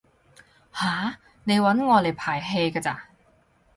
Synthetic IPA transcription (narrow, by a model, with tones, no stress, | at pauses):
haː˨˩ | ne˨˧jwɐ˨˥nŋɔː˨˧le˨˩jpʰaː˨˩jɦe˧jkaː˧t͡saː˧